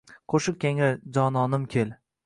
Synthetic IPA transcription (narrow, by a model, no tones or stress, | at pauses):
qʰoʃɪk̚kʲʰeŋɪd͡ʒɒnɒnɪmkʲʰel